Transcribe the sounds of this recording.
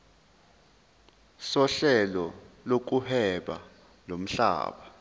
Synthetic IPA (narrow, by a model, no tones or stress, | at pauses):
sɔɬɛlɔ | lok̬uhɛɓa̰ | lom̩ɬa̰ːɓa